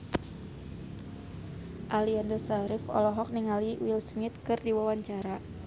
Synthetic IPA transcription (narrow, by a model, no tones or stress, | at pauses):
ʔaliandɔsaɾɪfɔ̰lɔɦɔk̚niŋaliwilsmɪt̪̚kɨrdiwawaɲt͡ʃaɾa